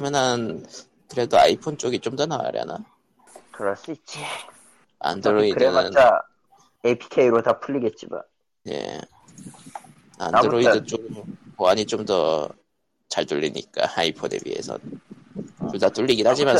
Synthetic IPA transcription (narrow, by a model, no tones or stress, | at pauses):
manan | kɯɾe̞doa̰ipʰont͡ɕ͈oɡit͡ɕ͈omdʌnawa̰ɾja̰na̰ | kɯɾʌs͈uit̚t͡ɕ͈i | a̰ndɯɾoiɯnaɯnt͡ɕa | epʰi̥kʰeiɾotapʰuʎːiɡe̞t̚t͡ɕ͈ima̰n | je̞̰ | a̰ndɯɾoidɯt͡ɕ͈oɡɯmpoaɲit͡ɕomdʌ̰ | t͡ɕaɭtuʎːḭɲḭk͈a̰aipʰonḛbḭɦe̞̰sʰʌ̰n | t͡ɕomdat͈uʎːiɡinhad͡ʑiman